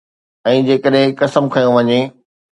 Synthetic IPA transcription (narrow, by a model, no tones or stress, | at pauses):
ɛ̃ːd͡ʑeːkəɗɦɪ̃kɐsəmkʰɐjõʋɐɲe